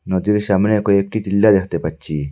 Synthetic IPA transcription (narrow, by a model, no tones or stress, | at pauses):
nod̪iɾɕamnekoek̚ʈit̪ilːad̪eht̪epɐt͡ɕːi